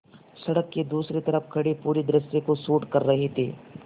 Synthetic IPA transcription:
sɐɽəkːed̪uːsɾit̪ɐɾəfkʰɐɽipuːɾid̪ɾɪsjekosuːʈkɐɾːɐɦet̪ʰḭː

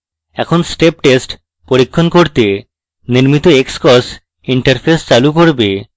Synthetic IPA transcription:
ɛkʰonsʈep̚ʈesʈ | poɾikʰːonkoɾt̪e | niɾmit̪oekskɔs | iɳʈɐɾpʰest͡ɕalukoɾbe

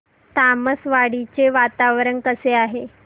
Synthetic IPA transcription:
t̪aməsʋaɽit͡seʋat̪aʋɾəɳkəseaɦe

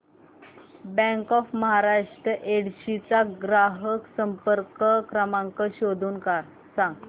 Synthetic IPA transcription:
bɛ̃ŋkɔfməɦaɾaʂʈɾəʔeɽɕit͡saɡɾaɦəksəmpəɾkəkɾəmãŋkəɕod̪ʱuːnkaɾ | sãŋɡ

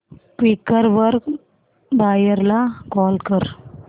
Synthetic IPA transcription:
kʋikəɾʋəɾk | bajəɾlakɔlkəɾ

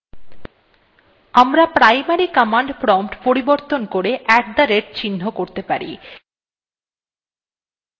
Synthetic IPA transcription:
amɾapɾajmaɾikɔmaɳɖpɾɔmpʈpoɾiboɾt̪onkoɾeʔɛk̚d̪aɾeɾt͡ɕinːokoɾt̪epaɾḭ

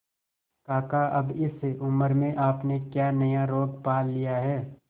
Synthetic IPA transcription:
kaːkaʔɐbɪseʔʊməɾmẽʔaːpnekjaːnɐjaɾoːɡpaːlːijaɦɛː

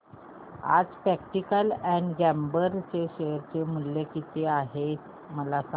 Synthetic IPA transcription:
a̰d͡zpɾækʈikəlɛ̃ɳɖɡæmbəɾt͡seɕejəɾt͡semulːjekit̪eaɦe | məlasa

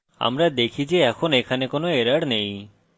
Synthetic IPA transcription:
a̰mɾad̪ekʰid͡ʒeɛkʰonekʰanekonoeɾaɽnej

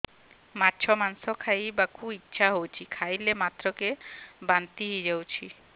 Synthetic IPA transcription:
matːʃʰɔmansɔkʰajbakʰuitːɕʰaɦowt͡ɕʰikʰajlemat̪ːɾɔkebant̪iɦid͡ʑawt͡ɕʰi

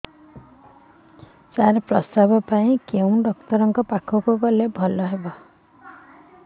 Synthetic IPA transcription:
saɾepɾɔst̪abɔpaĩkeũɖɔkt̪ɔɾɔŋkɔpakʰɔkukɔlebʱɔlɔɦebɔ

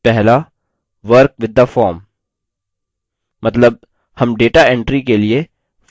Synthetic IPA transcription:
pɛɦla | ʋəɾk̚ʋɪd̪ːafɔːɾm | ɐt̪ləb̚ | hɐmɖeːʈaɛ̃ɳʈɾikelie

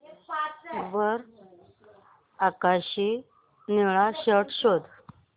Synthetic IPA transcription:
ʋəɾ | akaɕi | niɭaɕəʈɕod̪

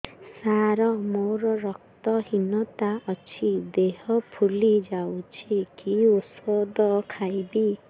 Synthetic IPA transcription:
saɾɔmowɾɔɾɔk̚t̪ɔhinɔt̪aʔɔt͡ʃʰid̪eɦɔpʰulid͡ʒawt͡ʃʰikiusɔd̪ɔkʰajbi

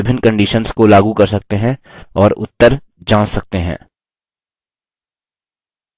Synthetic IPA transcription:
ɪbʱɪnkə̃ɳɖiʃənskolaːɡukɐɾsɐk̚t̪eɦɛ̃ɔːɾʊ̰t̪ːəɾ | d͡ʒãːɽsɐk̚t̪eɦɛ̰̃ː

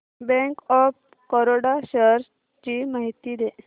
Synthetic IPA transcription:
bɛ̃ŋkɔp | kɔɾoɽaɕəɾ | t͡ɕimaɦit̪iːd̪e

